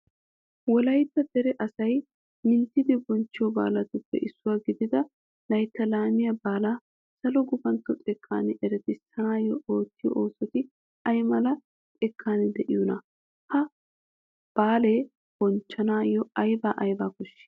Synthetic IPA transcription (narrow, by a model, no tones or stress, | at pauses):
wɔlɐjt̪ːɐd̪ɛɾɛʔɐsɐj | mɪnt̪ːɪd̪ɪbɔnt͡ʃːɪjɔba̰ːlɐt̪ʊpːɛ̰ʔɪsːʊwaːɡɪd̪ɪd̪ɐ | lɐjt̪ːɐlaːmɪjabaːlaː | sɐlɔɡʊbɐnt̪ːɔt͡sʼɛkʰːa̰ːnɪʔɛɾɛt̪ɪsɐnaːjɔoːt̪ːɪjɔ̰ʔoːsɔt̪ɪ | ɐjmɐlɐ | t͡sʼɛkʰːaːnɪd̪ɛʔɪjʊnɐ | hɐ | b̥aːleː | b̥ɔnt͡ʃːɐnaːjɔɐjbaːʔɐjbaːkʊʃːɪ̥